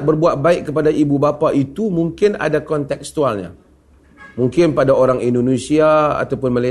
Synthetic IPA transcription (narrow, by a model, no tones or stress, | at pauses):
ʔ̚bərbuat̪̚baɪʔkəpadaʔibubapaʔit̪umuŋkɪna̰dakɔnt̪ɛkst̪ualɲa̰ | muŋkɪnpadaoɾaŋindonesiaa̰t̪awpʊnmala